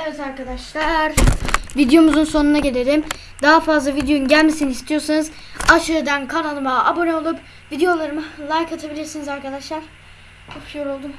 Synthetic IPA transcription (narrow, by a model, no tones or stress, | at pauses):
evɛzaɾkad̪aʃlˠaɾvid̪ejo̞muzunso̞nunaɟe̞lʲe̞ɾʲim | d̪aɦafazlˠavid̪ejojunɟælʲmesiniist̪ʰijo̞sanɯzaʃɯed̪ænkʰanalˠɯmaabo̞neolˠup | vid̪ejo̞lˠaɾɯmɯlˠajkʰat̪ʰabilʲiɾsinizaɾkʰad̪aʃlˠaɾ̥ | t͡ʃopjoɾolˠd̪um